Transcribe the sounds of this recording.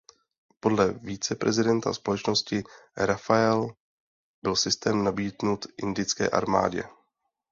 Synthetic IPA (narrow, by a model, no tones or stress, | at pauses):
po̞dlɛviːt͡sɛpɾʔɛzɪdɛnt̪a̰spo̞lɛt͡ʃno̞scɪɾafaɛl | bɪlsɪst̪ɛːmnabiːdnut̪ʔɪndɪt͡skɛ̰ːʔa̰ɾma̰ːɟɛ̰